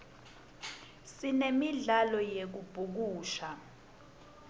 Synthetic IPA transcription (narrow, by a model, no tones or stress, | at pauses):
sinemiɮalɔjek̬ub̥ʱuk̬uːʃa